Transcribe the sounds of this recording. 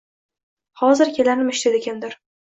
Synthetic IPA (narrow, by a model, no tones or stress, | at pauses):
hɒzɪɾkʲʰelanɪmɪʃt̪ed̪eɡʲand̪ɪɾ